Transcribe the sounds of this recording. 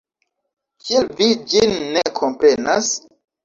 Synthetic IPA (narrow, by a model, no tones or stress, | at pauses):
kʰielvid͡ʒinːekʰo̞mpɾe̞na̰s